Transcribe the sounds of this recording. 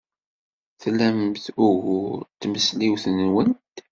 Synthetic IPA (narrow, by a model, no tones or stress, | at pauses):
θlæmθʊɣʊɾt̪ːməsliwθənwənt̪